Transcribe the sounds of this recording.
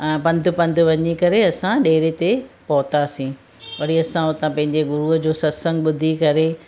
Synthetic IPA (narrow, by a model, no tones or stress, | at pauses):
pɐ̃nd̪ʱʊ̆pɐ̃nd̪ʱʊʋɐɲikɐɾeɐsãɗeːɾet̪epɐɦʊt̪asĩː | ʋɐɾiɐsãʊt̪ãpɐ̃ɦɪ̃ɲd͡ʑeɡʊɾuɦəd͡ʑoːsɐsə̃ŋɡ̚ɓʊd̪ʱikɐɾe